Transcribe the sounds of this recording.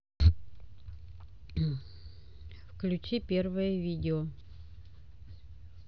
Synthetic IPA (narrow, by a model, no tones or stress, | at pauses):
fklʲʉt͡ɕipʲervəjəvʲidʲɪo